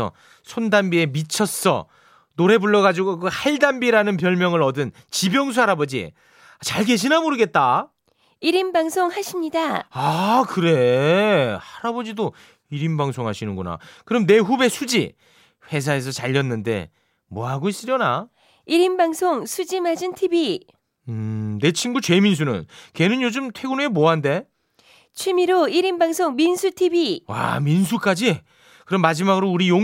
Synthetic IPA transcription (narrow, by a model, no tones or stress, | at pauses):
ʌ̰ | sʰondambie̞mit͡ɕʰʌs͈ʌ̰ | noɾe̞buɭːʌɣad͡ʑiɡokohaɭdambiɾanɯnp̬jʌɭmjʌŋɯɾʌdɯn | t͡ɕibjʌŋs̬ʰuɦaɾabʌd͡ʑḭ | at͡ɕaɭke̞ɕʰinamoɾɯɡe̞t̚t͈a | iɾimbaŋsʰoŋhaɕʰimɲidaakɯɾe̞ | aɾabʌd͡ʑido | iɾimbaŋsʰoŋɦaɕʰinɯnɡona̰kɯɾʌmne̞ɦube̞sʰud͡ʑḭ | ɸwe̞s̬ʰae̞sʰʌt͡ɕaʎːʌnːɯnde̞̰ | mwʌɦaɡois͈ɯɾjʌna | iɾimbaŋsʰoŋsʰud͡ʑimad͡ʑintʰibi | ɯne̞t͡ɕʰimɡut͡ɕwe̞mins̬ʰunɯ̰nke̞nɯnjod͡ʑɯmtʰwe̞ɡuneemoɦande̞ | t͡ɕʰimiɾoiɾimbaŋsʰoŋminsʰutʰibiwa̰minsʰuk͈ad͡ʑi | kɯɾʌmːad͡ʑimaɡɯɾouɾijo